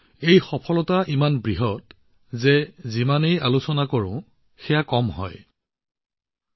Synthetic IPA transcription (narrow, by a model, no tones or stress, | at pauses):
ejxɔpʰɔlɔtaʔimanbɹiɦɔt | zɛzimanejalusɔnakoɹʊ̰̃ | xɛjakɔmɦɔ̰j